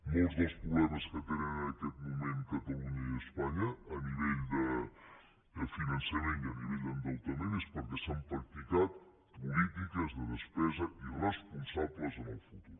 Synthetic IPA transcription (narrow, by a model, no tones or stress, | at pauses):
molˠzðəlˠspɾuβlɛməskət̪enənəəkɛt̪̚mumeŋkət̪əluɲəiəspaɲəːniβeʎd̪ə | d̪əfinənsəmeniəniβɛʎʲd̪ənd̪əlˠt̪əmenespəɾkɛsampɾək̚t̪ik̪at̪̚ | pulit̪ikəzðəðəspɛzəirəspunsabləzənəlˠfut̪uɾ